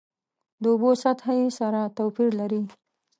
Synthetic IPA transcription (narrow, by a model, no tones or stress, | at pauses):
d̪əʊbosat̪hajesaɾat̪owpiɾlaɾi